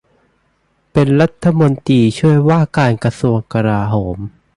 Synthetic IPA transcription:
pe˧nɾa˦˥t̪ʰːa˧mo˧nt̪iː˧t͡ɕʰu˥˩əjwaː˥˩kaː˧nka˧su˧əŋka˧ɾaː˧ɦoː˩˦m

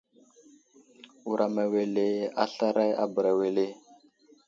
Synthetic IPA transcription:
u˨ɾa˨ma˨we˨le˦a̰˦ɬa˦ɾa˦ja̰˦bə˨ɾa˨we˨le˦˨

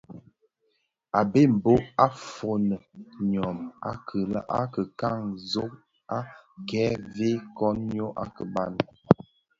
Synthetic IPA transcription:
a˨be˦˨m̩˨bo˦ʔa˦fo˨nə˨ɲɔ˨ma̰˦kʰə˨lə̰˦ʔa˦kə˨ka˦˨ŋzo˦k̚ | a˦kɛː˦ve˦kɔ˦nɲo˦ʔa̰˦kə˨ba˦˨n˨

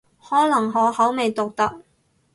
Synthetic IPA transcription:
hɔː˨˥lɐ˨˩ŋɦɔː˨˧˥hɐ˨˥wme˨˧jt̪ʊ˨k̚t̪ɐ˥k̚

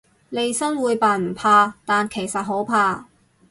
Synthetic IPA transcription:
le˨˧jsɐ˥ŋwuː˨˧jpaː˧m̩˨˩pʰaː˧t̪aː˨nkʰe˨˩jsɐ˨t̚ɦo˨˥wpʰaː˧

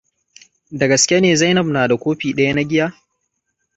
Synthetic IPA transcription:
dɐ˨ɡɐ˨skʲe˦neː˨za˦jnɐ˦˨bnaː˨da˨kʷoː˦ɸiː˨ɗɐ˦ja˦na˦ɡʲɪ˦jaː˦

